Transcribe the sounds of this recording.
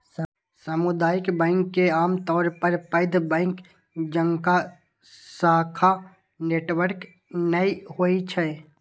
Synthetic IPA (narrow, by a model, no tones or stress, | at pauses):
səmʊd̪aːjɪkbɛ̃ːŋkːeaːmt̪ɔːɾpəɾpəɪd̪ʱbɛ̃ːŋk | d͡ʒəŋka | saːkʰa | neːʈwəɾk | nəihoːit͡ʃʰɛ